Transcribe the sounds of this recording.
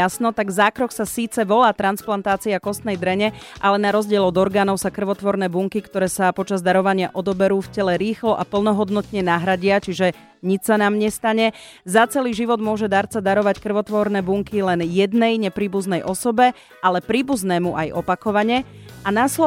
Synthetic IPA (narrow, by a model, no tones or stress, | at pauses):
asnɔt̪aɡzaːkɾɔksasiːt͡sɛʋɔlaːt̪ɾansplant̪aːt͡siakɔst̪nɛjd̪ɾɛɲɛʔalɛnaɾɔzɟɪɛlɔd̪ɔɾɡaːnɔʊsakr̩ʋɔt̪ʋɔɾnɛːbuŋkikt̪ɔɾɛːsapɔt͡ʃazd̪aɾɔʋaɲɪaʔɔd̪ɔbɛɾuːfcɛlɛɾiːxlɔʔapl̩nɔɦɔd̪nɔt̪ɲɛnaɦɾaɟɪat͡ʃiʒɛ | ɲit͡ʃsanaːmɲɛst̪aɲɛ | zat͡sɛliːʒiʋɔd̪mʊɔʒɛd̪aɾt͡sad̪aɾɔʋackr̩ʋɔt̪ʋɔɾnɛːbuŋkilɛnjɛd̪nɛjɲɛpɾiːbuznɛjʔɔsɔbɛ | ʔalɛpɾiːbuznɛːmuʔajɔpakɔʋaɲɛ | anaslɔ